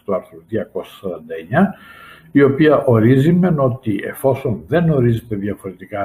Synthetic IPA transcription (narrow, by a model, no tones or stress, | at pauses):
t̪ɔaɾθɔlðiakɔssɾand̪ɛɲa | iopiaʔoɾizimɛnot̪iɛ̰fɔsɔnðɛnɔɾizit̪ɛðiafoɾet̪ika